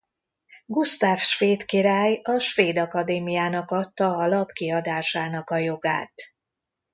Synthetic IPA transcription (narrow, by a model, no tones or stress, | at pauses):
ɡust̪aːfʃʋeːt̪kiɾaːjɒʃʋeːd̪ɒkɒd̪eːmijaːnɒkɒt̪ːɒːlɒpkiɒd̪aːʃaːnɒkɒjo̞ɡa̰ːt̪